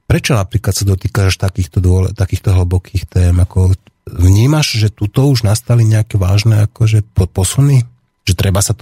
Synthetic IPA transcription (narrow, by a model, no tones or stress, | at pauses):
pɾɛt͡ʃɔnapɾiːklat̪sad̪ɔt̪iːkaʃt̪akiːxt̪ɔd̪ʊɔlt̪akiːxt̪ɔɦl̩bɔkʰiːxt̪ɛːmakɔ | ʋɲiːmaʒʒɛt̪ut̪ɔuʒnast̪aliɲɛakɛʋaːʒnɛakɔʒɛpɔpɔsuni | ʒ̥ɛt̪ɾɛbasat̪